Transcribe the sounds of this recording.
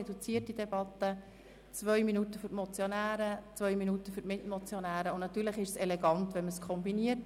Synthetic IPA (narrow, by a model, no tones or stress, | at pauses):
ɛdut͡siətidɛbɑtːə | t͡svœʏminutəfʏɾtmɔt͡sjɔnæːɾət͡sʋœɥminutəfʏɾtmɪtmɔt͡sjɔnæːɾəʊnnɑtyːɾləχɪʃsɛlɛɡɑntʋɛnməskʰɔmbiniət